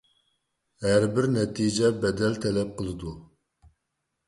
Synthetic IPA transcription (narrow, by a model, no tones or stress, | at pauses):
ɦæɾbɪɾnɛt̪ʰid͡ʒɛbɛd̪ɛlt̪ʰɛlɛp̚qəlˠɨd̪u